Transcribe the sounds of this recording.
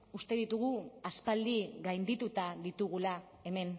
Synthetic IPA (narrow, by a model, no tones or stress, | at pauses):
ust̪e̞ðit̪uɣ̞uaspald̪iɣajnd̪it̪ut̪aðit̪uɣ̞ula | e̞me̞n